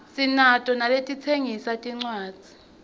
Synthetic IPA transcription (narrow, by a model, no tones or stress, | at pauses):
sinatʼɔnaletʼit͡sʰeŋisatʼiŋ͡ǀwḁːd͡z̥ʱi